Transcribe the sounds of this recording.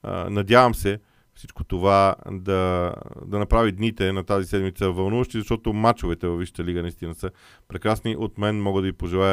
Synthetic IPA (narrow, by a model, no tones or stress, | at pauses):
nɐd̪ʲjavəmsɛ | fsit͡ʃko̥t̪ovad̪ɐd̪ɐnɐpɾavid̪nit̪ɛnɐt̪azisɛd̪mit̪səvɐlˠnuvɐʃt̪izɐʃt̪ɔt̪omat͡ʃovɛt̪ɛvɐvːiʃə̥t̪əliɡənɐist̪inəsə | pɾɛkɾasniʔot̪mɛnmɔɡəd̪ɐvipoʒɛlˠajə